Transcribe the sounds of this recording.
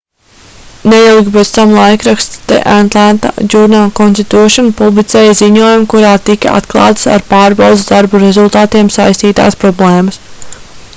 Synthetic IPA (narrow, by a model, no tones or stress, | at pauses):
nejilˠɡʲipɛt̪st̪amlˠajkɾakst̪t̪ɛ̰ʔant̪lˠant̪a̰d͡ʒuɾnalˠkɔnst̪it̪uːʃɔnpublˠit̪sɛːjziɲuɔjumkuɾaːt̪ika̰a̰t̪klˠɑ̰ːt̪sa̰ɾpaːɾbawd̪zzd̪aɾbuɾezulˠt̪aːt̪iɛmsajsʲt̪iːt̪a̰ːspɾɔblˠeːmɐs